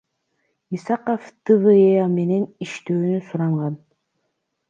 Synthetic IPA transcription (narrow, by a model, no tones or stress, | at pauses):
isɑqoft̪ɨvɯeɑme̞ne̞niʃt̪øːnysuɾɑɴʁɑn